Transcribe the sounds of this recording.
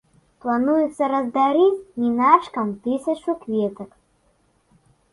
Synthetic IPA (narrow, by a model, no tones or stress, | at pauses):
plˠanujut̪sɐɾɐzd̪aɾit͡sʲnʲinaʂkɐmt̪ɨsʲɐt͡ʃukvʲet̪ɐk